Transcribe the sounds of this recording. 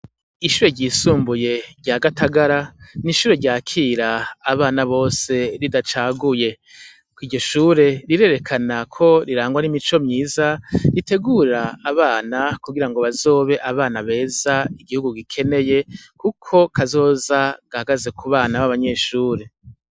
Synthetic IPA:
iʃuːɾe̞ɟiːsuːmbuje̞ɾɟaːɡatʰaɡaɾaniʃuːɾe̞ɾɟaːkʰiːɾaːβaːnaβo̞ːse̞ɾidat͡ʃaːɡuje̞ | kwiːɟo̞ʃuːɾe̞ɾiɾe̞ːɾe̞kʰanakʰo̞ɾiɾaːŋɡwanimit͡ʃo̞mɲiːzaɾite̞ɡuɾaːβaːnakuɡiɾaŋɡo̞βazo̞ːβe̞ʔaβaːnaβe̞ːzaiɡihuɡuɡikʰe̞ne̞je̞kukʰo̞kʰazo̞ːzaɡ̥ahaɡaze̞kuβaːnaβaβaɲe̞ːʃuːɾe̞

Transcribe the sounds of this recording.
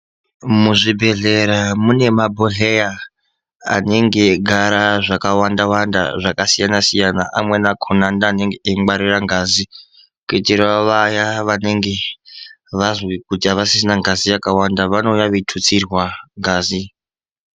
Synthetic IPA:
muʐibʱe̞ɮe̞ɾamune̞mabʱoɮeja | a̰neŋɡe̞ɡʱaɾaʐakawandawanda̰ʐakasijanasijana̰ʔamwe̞nakʰonandaːneŋɡeeŋɡ͡baɾiraŋɡaːzi | kitirwaʋajaʋane̞ŋɡe̞ | ʋazwikutiaʋasis̬inaŋɡazijakawandaʋano̞jaʋetʰut͡sirwaŋɡaːzi

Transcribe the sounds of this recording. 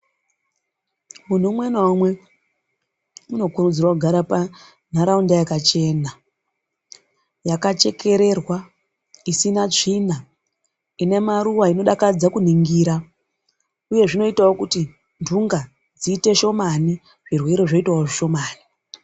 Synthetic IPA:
mun̤umwe̞nomwe̞ | muno̞kuɾud͡zirwakuɡʱaɾapa | n̤aɾaundajakat͡ʃe̞ːna | jakat͡ʃe̞kʰe̞ɾe̞rwa | isinaina | ine̞maɾuwaino̞ɗakad͡zakun̤iŋɡiːɾa | uje̞ʐino̞itawokuti | ndʱuŋɡa | d͡ziːte̞ʃo̞mani | ʐ̥irwe̞ɾo̞ʐoitwaoʐiʃo̞maːni

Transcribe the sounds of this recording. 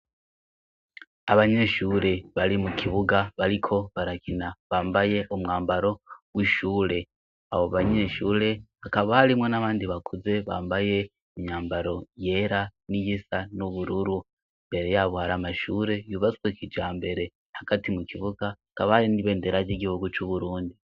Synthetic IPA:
aβaɲe̞ːʃuːɾe̞βaɾimukʰiβuɡaβaɾikʰo̞βaɾakinaβaːmbaje̞ʔumŋaːmbaɾo̞wiʃuːɾe̞ | aβoβaɲe̞ʃuːɾe̞hakaβahaɾimwenaβaːndiβakʰuze̞βaːmbaje̞ | iɲɲaːmbaɾo̞je̞ɾanijisanuβuɾuɾu | imbe̞ɾe̞jaβohaɾamaʃuːɾe̞juβat͡skwekʰid͡ʒaːmbe̞ɾe̞ | haɡ̥atimukʰiβuɡahakaβahaɾiniβe̞ːndeɾad͡ʒiɡihuɡut͡ʃuβuɾuːndi

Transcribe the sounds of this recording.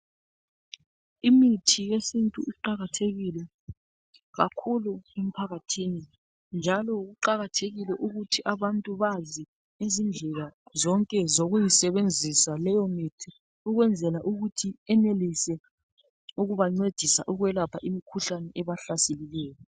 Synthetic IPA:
imitʰijesintʼuʔiǃaɣatʰeɣilɛ | ɣa̰kʰuluem̩pʰaɣatʰiːni | nd͡ʒʱalɔɣuǃaɣatʰeɣilɛʔuɣutʰiʔaβantʼuβazi | ezind͡ɮʱɛɣazɔŋkʼɛzoɣujisɛβend͡zʱisalɛjɔmitʰi | uɣwɛnd͡zʱɛlaʔuɣutʰiɛnelisɛ | uɣuβaŋ͡ǀwed̥ʱisaʔuɣwɛlapʰaʔimikʰuɬanɛʔɛβaɬaselilɛːjɔ

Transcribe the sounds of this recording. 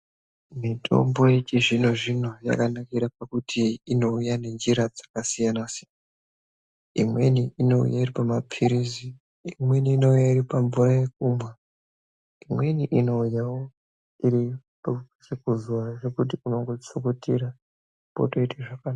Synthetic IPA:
mitʰo̞̰mbo̞jet͡ʃiʐino̞ʐino̞ja̰kanakiɾapakutʰiːno̞ujane̞nd͡ʒiɾad͡zakasijanasijan | imwe̞̰niino̞ṵjairipamapʰiɾizi | imwe̞niːno̞ujairipaɱvuraje̞k̚umwa | imwe̞niʔino̞ujawo | iɾi | psekuzuwaʐekutiuno̞ŋɡo̞t͡sukutiɾa | po̰toiteʐakana

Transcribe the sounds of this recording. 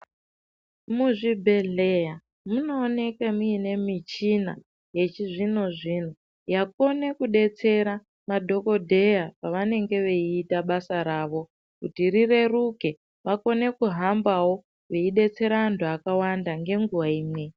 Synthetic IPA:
muʐibʱeɮeja | muno̞ːne̞kemuine̞mit͡ʃina̰ | je̞t͡ʃiʐinoʐin̤u | jako̞ne̞kuɗe̞t͡se̞ɾa | madʱo̞ko̞dʱe̞japaʋane̞ŋɡe̞ʋeiːtaɓasaɾaːʋo̞ | kutirire̞ruke̞ | ʋako̞ne̞kuɦambawo̞ | ʋeiɗe̞t͡se̞ɾaːntʰuakawandaŋɡe̞ŋɡuʋaiːmwe̞

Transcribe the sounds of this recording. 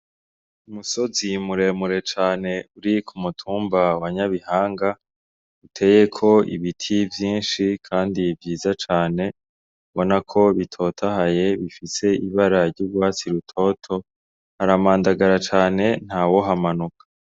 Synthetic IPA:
umuso̞zimuɾe̞muɾe̞t͡ʃaːne̞uɾikʰumutʰuːmbawaɲaβihaːŋɡa | utʰe̞ːje̞kʰo̞ḭβitʰivjiːnʃikʰaːndivjiːzat͡ʃaːne̞ | βonakʰo̞βitʰo̞tʰaɦaje̞βifise̞iβaɾaɾɟuɾɡwaːt͡siɾutʰo̞tʰo̞ | haɾamaːndaɡaɾat͡ʃaːne̞n̥haːwo̞ɦamanukʰḁ

